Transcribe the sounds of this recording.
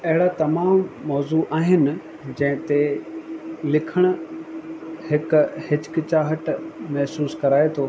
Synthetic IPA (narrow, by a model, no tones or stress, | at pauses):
ɐɦɪɽat̪ɐmaːmmɔːzuʔaːɦɪnɪ̆ | d͡ʑɐ̃ɦɪ̃t̪e | lɪkʰəɽ̃ʊ̆ | hɪkhɪd͡ʑkɪt͡ɕaːɦəʈmɛɦsuːskɐɾaːet̪ʰoː